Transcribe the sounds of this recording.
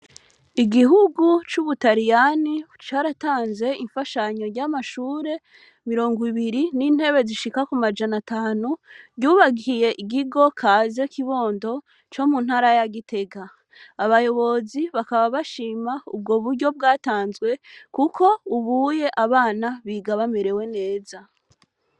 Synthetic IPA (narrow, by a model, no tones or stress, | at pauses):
iɡiɦuɡut͡ʃuβutaɾijanit͡ʃaːɾataːnzwe̞ʔiɱfaʃaɲo̞ɾɟamaʃuːɾe̞ | miɾo̞ːŋɡiβiɾiniːn̥he̞βe̞ziʃikakumad͡ʒanataːnuɟuːβaɡiije̞ʔiɡiɡo̞kʰaːze̞kiβo̞ːndo̞ | t͡ʃo̞mun̥haːɾajaɡite̞ɡaː | βajo̞βo̞ziβakaβaβaʃiːmaṵb̚ɡo̞βuɾɟo̞b̚ɡaːtaːnzɡwe̞kukʰo̞uβuːje̞ʔaβaːnaβiːɡaβameɾe̞we̞ne̞ːza